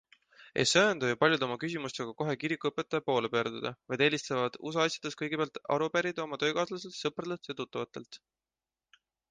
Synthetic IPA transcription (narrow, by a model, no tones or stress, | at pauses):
e̞̰søːnd̪ojupɑlʲjud̪o̞mɑkys̬ʲimust̪eɡ̥ɑko̞ɦe̞kiɾikːˑuɤpːˑe̞t̪ːˑɑjɑpo̞ːlepø̞ːrd̪̥ud̪̥ɑ̰vɑjd̪̥e̞ːlʲist̪evɑd̪̥us̬ɑɑsʲjɑ̥d̪̥eskɤjɡ̥e̞peæɑlt̪ɑ̰ɾupeɾid̪o̞mɑt̪ø̞ːkɑːslɑse̞lt̪sɤprɑd̪elt̪jɑt̪ut̪ːˑɑvɑt̪ːˑe̞̰lt̪